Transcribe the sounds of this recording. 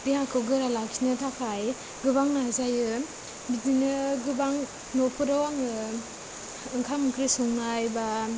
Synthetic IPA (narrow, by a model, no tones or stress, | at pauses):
dihakɯwɡɯɾalaksinɯtʰapʰaj | ɡɯbaŋnazajɯ | bidinɯɡɯbaŋ | nɔpɯɾawaŋɯ | ɯŋkʰamkɾisɔŋnajba